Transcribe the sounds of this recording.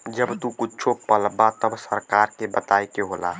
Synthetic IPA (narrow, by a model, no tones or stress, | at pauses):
d͡ʒəbt̪ukʊːt͡ʃʰopəlbat̪əbsəɾkaːɾkebət̪aːikeɦoːla̰